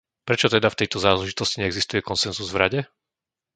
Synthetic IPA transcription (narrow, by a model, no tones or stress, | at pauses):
pɾɛt͡ʃɔt̪ɛd̪aft̪ɛjt̪ɔzaːlɛʒit̪ɔsciɲɛɡzist̪ujɛkɔnsɛnzuzvɾaɟɛ